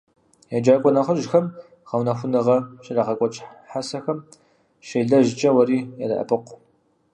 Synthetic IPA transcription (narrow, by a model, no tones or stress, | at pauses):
jad͡ʒaːkʷʼɔnɐχəʒxɐm | ʁɐwnɐxʷʊnɨʁɐʃɪraːʁɐkʷʼɔt͡ʃʼħasɐxɐm | ʃejɮɐʒɪt͡ʃʼɐwɐɾiːjarɐ̰ʔɐ̰pɨqʷ